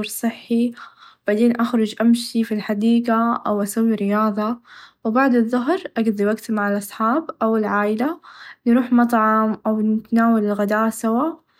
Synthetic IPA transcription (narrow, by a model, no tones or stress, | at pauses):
ɾsˤɨħːib̥aʕd̪eːnʔaxɾˤʊd͡ʒʔamʃifilħad̪iːɡaʔa̰wʔasawːiɾɪjɑːðˤɑwɪbaʕd̪ɨðˤːʊɦɾʔaɡd̪ˤiwaɡt̪maʕalʔɑsˤħɑːbʔawɪlʕaːʔɪlanɾuːħmɑt̪ˤʕɑmʔawnɪt̪anaːwalɪlɣad̪aːʔsawaːʔ